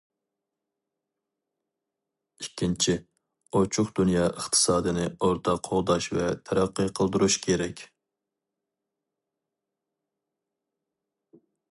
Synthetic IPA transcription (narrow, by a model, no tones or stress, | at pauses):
ikʲːint͡ʃʰi | ot͡ʃʰʊχd̪unjɑːʔəχt̪ʰə̥sɑːd̪ɨnɪoɾt̪ʰɑqʰoʁˠd̪ɑʃvɛt̪ʰɛɾæqːɨqʰəlˠd̪uɾuʃkʲʰeɾɛkʲ